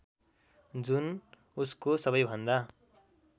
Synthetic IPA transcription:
d͡zun | uskosʌβʌjbʱʌnd̪a

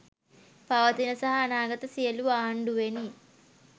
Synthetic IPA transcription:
pɐʋɐt̪inɐsɐɦɐːnaːɡɐt̪ɐsijɐluʋaːɦɐɳɖuʋeni

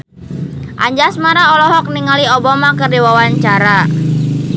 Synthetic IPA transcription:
ʔa̰ɲd͡ʒasmaɾaɔlɔɦɔk̚niŋaliɔbamakərdiwawaɲt͡ʃaɾa

